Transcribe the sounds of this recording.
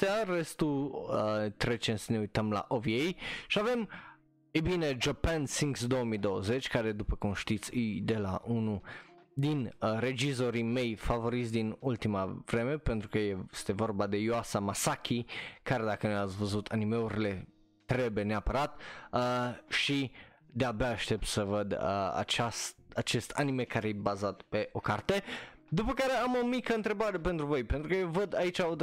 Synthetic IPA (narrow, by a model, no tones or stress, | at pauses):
t̪eaɾest̪u | t̪ɾet͡ʃensəneujt̪əmla̰ʔovjejʃiavem | ebined͡ʒəpansiŋɡsd̪owəmid̪owəzet͡ʃʲkaɾed̪upəkumʃt̪it̪sid̪ela̰ʔunud̪inɾed͡ʒizoɾimejfavoɾit̪sʲd̪inult̪imavɾemepent̪ɾukəjest̪evorbad̪e̞joasamasakʰʲikaɾed̪akənjat̪svəzut̪ʰanime̞uɾile̞ | t̪ɾe̞bujeneapəɾat̪əʃi | d̪eabeaːʃt̪e̞p̚t̪səvəd̪əa̰t͡ʃast̪at͡ʃe̞st̪ʰanime̞kaɾejebazat̪pe̞ʔo̞kart̪e̞d̪upəkaɾe̞amo̞mikəɨnt̪ɾe̞baɾe̞pent̪ɾuvo̞jpent̪ɾukəjewvəd̪ait͡ʃao